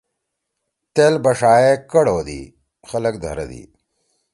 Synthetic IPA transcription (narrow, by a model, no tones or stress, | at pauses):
t̪eːlbɐʂaːekɐɽoːd̪ḭː | xɐlək̚d̪ʱɐ̰ɾɐ̰d̪ḭː